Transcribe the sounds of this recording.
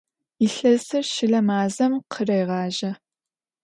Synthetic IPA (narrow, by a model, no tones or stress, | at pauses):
ɪɬɐsɨrʃɪɮɐmaːzɐmqʰərɐjʁɑːʒɐ